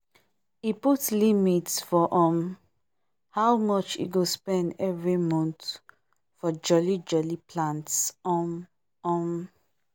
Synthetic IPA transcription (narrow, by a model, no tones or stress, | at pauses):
iputlimitsfɔʔɔ̃m | hawmɔt͡ʃḭɡospɛ̃ndɛvɹimɔ̃nt | fɔd͡ʒɔlid͡ʒɔlipʰlãntsɔm | ɔ̃m